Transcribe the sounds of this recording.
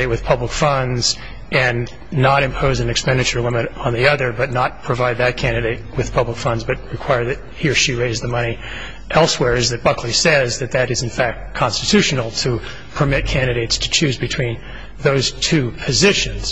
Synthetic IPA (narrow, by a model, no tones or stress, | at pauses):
eɪt̚wɨð̥pʰʌbləkfʌ̃ndz̥ | ʔɨ̃nː | əɾɨ̃mpʰoʊzɨ̃nɨkspɛ̃ndɨt͡ʃə˞ɨlɪ̃mɨɾn̩ðiʌðə˞bʌtⁿnət̚pʰɹ̥ɨvaɪd̪̚ðɨt̚kʰæ̃ndɨɾeɪt̚wɨð̥pʰʌbləkfʌ̃ndzbʌt̚ɹɨkʰw̥aɪə˞ðɨt̚hiɹʃiɹeɪzðɨmʌñi | ʔɛlˠswɛɹɨzðɨt̚b̥ʌkʰlisɛzðɨt̪̚ðɨɾɨz̃n̩fæk̚t̚kʰɑ̃nstɨtʰʉʃn̩l̩ˠtʰɨ | pʰə˞mɪt̚kʰæ̃ndɨɾeɪtstʰɨ̥t͡ʃʰʉzbɨtʰw̥ĩn | ðoʊz̥tʰʉpʰɨzɪʃɨ̃nz̥